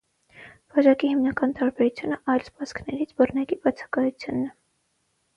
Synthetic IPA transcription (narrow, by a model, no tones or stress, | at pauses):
v̥ɑʒɑkihimnɑkɑnt̪ɑɾbɛɾut͡sʰjunəʔɑjlspɑskʰnɛɾit͡sʰbərnɑkibɑt͡sʰɑ̥kɑjut͡sʰjunːɛ